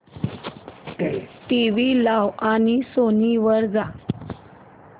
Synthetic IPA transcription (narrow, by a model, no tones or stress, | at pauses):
ʈiʋilawañisoniʋəɾd͡za